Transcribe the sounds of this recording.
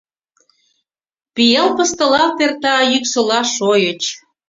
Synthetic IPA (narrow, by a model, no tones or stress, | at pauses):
pijɑlpəst̪ɤ̆lɑlt̪ert̪ɑjyksə̆lɑʃojət͡ɕ